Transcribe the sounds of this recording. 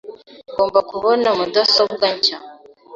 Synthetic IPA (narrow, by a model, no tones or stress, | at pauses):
ɡoːmbakuβonamudosob̚ɡaɲca